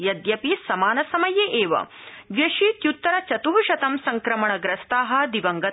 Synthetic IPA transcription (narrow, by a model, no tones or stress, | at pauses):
jɐd̪jɐpisɐmaːnɐsɐmɐjeʔeːʋɐ̰ʋjɐʃit̪jut̪ːɐɾɐt͡ʃɐt̪uɦuʃɐt̪ɐmsɐŋkɾɐmɐɳɐɡɾɐst̪aːɦɐ̆d̪iʋɐŋɡɐ